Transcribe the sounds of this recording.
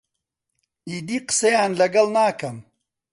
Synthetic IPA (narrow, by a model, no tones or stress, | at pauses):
iːd̪iːqɨ̥sɐjaːnlɐɡɐlnaːkɐm